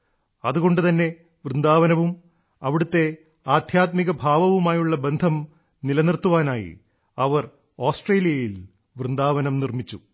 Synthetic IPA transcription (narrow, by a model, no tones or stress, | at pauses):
ɐðuɣo̞ɳɖɨt̪ɐnːe̞ | ʋrɨnd̪aːʋɐnɐʋum | ɐʋiɽut̪ːe̞ | aːd̪ʱjaːt̪miɣɐbʱaːʋɐʋumaːjuɭːɐbe̞nd̪ʱɐm | nilɐnirt̪ːuʋaːnaːjḭ | ɐʋɐr | oːsʈreːlijɐjil | ʋrɨnd̪aːʋɐnɐmnirmit͡ɕːu